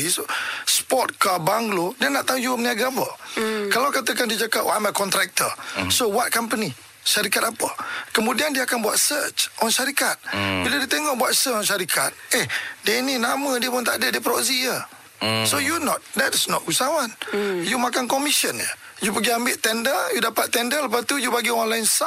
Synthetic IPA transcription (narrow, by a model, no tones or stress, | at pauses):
isspɔt̪̚kabaŋɡlodiənaʔt̪aũjumniaɡapəkalawkat̪əkandiəd͡ʒakapajməkɔnt̪ɾɛk̚t̪ə̰sowat̪̚kampəni | ʃaɾikat̪apəkəmudiandiəakanbua̰t̚sət͡ʃʔɔnʃaɾikat̪̚biladiət̪eŋɔʔbuat̪sət͡ʃɔnʃaɾikʰa̰t̪̚ehdiəininamədiəpʊnt̪aʔdədiəpɾɔʔsijə | sojunɔt̪̚dɛtsnɔt̚usawanjumakankɔmisənjə̰ | jupəɡiambɪʔt̪ɛndəjudapat̪ːɛndələpast̪ujubaɡiɔɔnlaɪnsa